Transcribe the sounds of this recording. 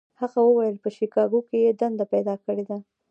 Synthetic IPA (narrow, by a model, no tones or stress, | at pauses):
haɣawəwajəlpəʃikɑɡokejed̪and̪apɛjd̪ɑkəɽed̪a